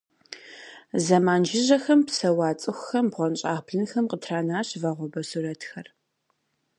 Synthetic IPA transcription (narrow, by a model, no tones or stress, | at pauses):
zɐmaːnd͡ʒɪʒɐxɐmpsɐwɑːt͡sʼɨxʷxɐmbʁʷɔnɕʼaːbʰɮɨnxɐmqətʰraːnaːɕvɐʁʷɔbɐsurɐtxɐr